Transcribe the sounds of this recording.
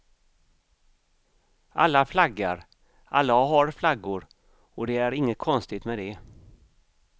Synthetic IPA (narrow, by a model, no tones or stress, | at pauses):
ʔalːaflaɡːaɾ | ʔa̰lːaɦaɾflaɡʊɾ | ɔd̪ɛæɾɪŋːət̪̚kʰɔnst̪ɪt̪mɛd̪ɛ